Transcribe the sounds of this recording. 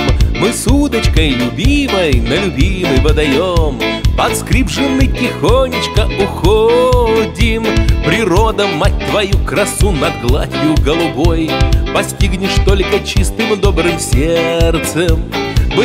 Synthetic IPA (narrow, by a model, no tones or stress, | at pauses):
mɨsud̪ət͡ɕkəjlʲʊbʲiməjnəlʲʊbʲiməjvəd̪ɐjompɐt̪skɾʲibʐɨnːɨjtʲɪxonʲɪt͡ɕkəʊxodʲɪmpɾʲɪɾod̪əmat̚ʲt̪vɐjukɾɐsunɐɡlˠa̰tʲjʊɡəlˠʊbojpɐsʲtʲiɡnʲɪʂt̪olʲkət͡ɕist̪ɨmɨd̪obɾɨmsʲert̪səmvɨ